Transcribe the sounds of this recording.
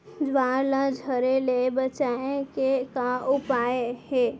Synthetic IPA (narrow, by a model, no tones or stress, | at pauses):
d͡ʒʋaːɾlə̃d͡ʒʱəɾelebət͡ʃaːẽkekaʊpaːeheː